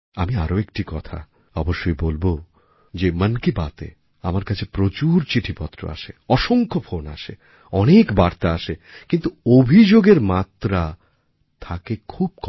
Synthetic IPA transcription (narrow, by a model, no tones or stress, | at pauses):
amiaɾoek̚ʈikɔt̪ʰa̰ | ɔboʃːojbolbo | d͡ʑemənkibat̪ḛ | a̰maɾkat͡ɕʰepɾot͡ɕuɾt͡ɕiʈʰipɔt̪ːɾo̰a̰ʃeɔʃoŋkʰofona̰ʃe | ɔnekbaɾt̪aaʃekint̪uobʱid͡ʑoɡeɾmat̪ɾa | t̪ʰakekʰub̚kɔ